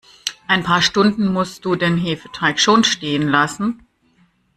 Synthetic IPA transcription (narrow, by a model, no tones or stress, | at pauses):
ʔaɪnpʰaːɐʃtʊndn̩mʊst̚d̥uːdeːnɦeːfə̥tʰaɪkʃoːnʃteːənlasn̩